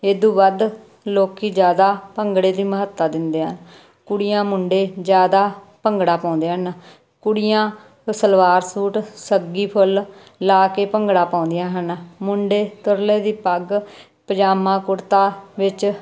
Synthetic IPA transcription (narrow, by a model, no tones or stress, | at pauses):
eːd̪ũːʋəd̪ | loːkiːd͡ʒjaːd̪aːpəŋɡɽeːd̪iːməɦət̪ːaːd̪ɪnd̪eːɦən | kʊɽɪjãːmʊɳɖeːd͡ʒjaːd̪aːpəŋɡɽaːpãːnd̪eːɦən | kʊɽɪjãː | səlʋaːɾsuːʈsəɡiːpʰʊl | laːkeːpəŋɡɽaːpãːnd̪ɪjãːɦənmʊɳɖeːt̪ʊɾleːd̪iːpəɡ | pəd͡ʒaːmãːkʊɾt̪aːʋɪt͡ʃ